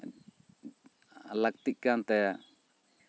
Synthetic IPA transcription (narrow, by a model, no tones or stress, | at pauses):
lak̚t̪iʔ̚kant̪ɛja